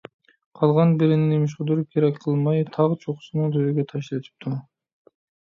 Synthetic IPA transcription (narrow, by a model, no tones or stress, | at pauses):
qʰɑlˠʁɑnbiɾɪninimʃ̬qud̪uɾup̚kʲʰeɾekʲqʰːɯlˠmɑjt̪ʰɑʁt͡ʃʰoqʊ̥sunuŋd̪øjøɡʲøt̪ʰɑʃlet̪ʰi̥p̚t̪ʰu